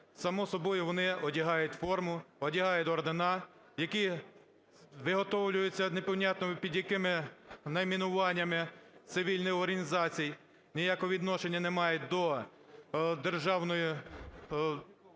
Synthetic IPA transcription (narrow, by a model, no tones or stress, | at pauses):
sɐmɔsɔbɔjʊʋɔnɪɔdʲiɦɑjʊtʲfɔrmʊɔdʲiɦɑjʊt̪ʲɔrd̪enɑ | jɐki | ʋɪɦɔt̪ɔwlʲʊjʊt͡sʲːɐnepɔwnʲɑt̪nɔmpʲid̪jɐkɪmɪnɐmʲinʊʋɑnʲːɐmɪt̪sɪʋʲilʲnɪjɔrɦɐnʲizɑt͡sʲij | nʲijakɔɦʋʲid̪nɔʃenʲːɐnemɑjʊt̚ʲd̪ɔ | d̪erʒɑwnɔjʊ